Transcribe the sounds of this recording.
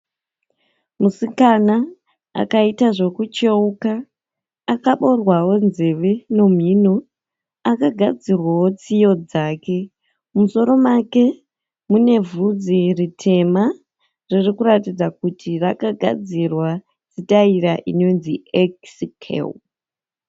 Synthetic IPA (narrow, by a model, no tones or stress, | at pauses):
musikana | a̰kaitaʐe̞kut͡ʃeukaː | kaɓo̞rwawo̞nze̞ʋeno̞m̤ino | akaɡʱad͡zirwawo̞t͡sijo̞d͡zaːke̞ | mumuso̞ɾo̞make̞ | mune̞vud͡ziritʰe̞ma | ririkuɾatid͡zakutʰirakaɡʱa̰d͡zirwa | t͡sitaiɾaʔino̞nzieksikʰḛ